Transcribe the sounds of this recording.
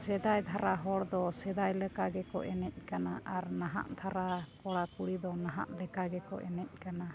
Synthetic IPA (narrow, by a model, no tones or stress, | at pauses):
sɛd̪ajd̪ʱʰaɾaɦɔɽd̪ɔsɛd̪ajlɛkaɡɛkɔ̰ʔɛnɛc̚ˀkanaʔaɾnaɦa̰ʔd̪ʰʱaɾakɔɽakuɽid̪ɔnaɦa̰ʔlɛkaɡɛkɔ̰ʔɛ̰nɛc̚ˀkana